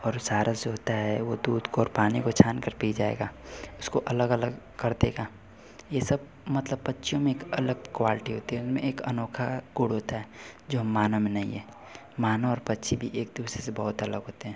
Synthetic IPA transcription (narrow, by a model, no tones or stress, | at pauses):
ɔːɾsaːɾʔad͡ʒoɦoːt̪aɦɛʋod̪uːd̪koɔːɾpaːnikot͡ʃʰaːnkəɾpiːd͡ʒaːḛːɡaːʊskoʔɐləɡələɡ | kɐɾd̪eɡaː | jesɐb̚ | mɐt̪ləbpɐtːʃʰijõmẽeːkɐləɡ̚kwaːlɪʈiɦoːt̪iɦɛʊsmẽeːkɐnɔːkʰaɡuːɽɦoːt̪aɦɛːd͡ʒoːɦmːaːnəmẽnɐɦḭ̃ɦɛː | maːnaɔːɾpɐtːʃʰibʱiʔeːk̚d̪uːsɾesebɐɦʊt̪ɐləɡɦoːt̪eɦɛ̃ː